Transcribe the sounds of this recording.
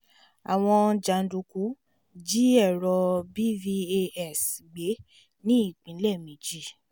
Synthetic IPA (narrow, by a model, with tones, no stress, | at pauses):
a̰˨w̃ɔ̃˧d͡ʒa˨n̩˦du˧ku˨˦ | d͡ʒi˦ɛ˦˨ɾɔ˧bi˦vi˧e˧ɛ˦˨sɡ͡be˨˦ | nĩ˦i˦˨k͡pĩ˨˦lɛ˦˨mĩ˨˦d͡ʒi˦˨